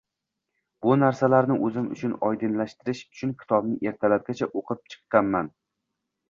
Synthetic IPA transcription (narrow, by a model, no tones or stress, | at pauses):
b̥ʊnaɾsalaɾnɪʔɵzɪmʊ̰t͡ʃʰʊnɒjd̪ɪnlaʃt̪ɪɾɪʃʊ̥t͡ʃʰʊnkʲʰɪ̥t̪ʰɒbnɪʔe̞ɾt̪ʰalap̚ɡʲat͡ʃʰaʔoqʰɨp̚t͡ʃʰɨ̥qːɑnman